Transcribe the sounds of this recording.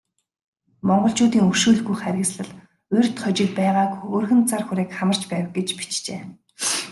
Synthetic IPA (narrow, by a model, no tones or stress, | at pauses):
mɔɴɢɞ̆ɬt͡ɕʊːt̪iːŋɵrʃuːɮɣujχæɾʲɪ̆ksɮə̆ɮ | ɵrʲʰt̪χɔt͡ɕɪ̆ːk̚pæːʁaːkɵrxɘ̆nt͡sarxuɾeːkχamə̆r̥t͡ɕpæːwə̆k̚ɡet͡ɕpi̥t͡ɕt͡ɕeː